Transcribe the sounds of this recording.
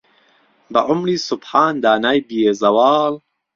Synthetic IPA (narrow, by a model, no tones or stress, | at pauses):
bɐʔʊmɾiːsʊbħaːnd̪aːnaːjbijezɐwɑːl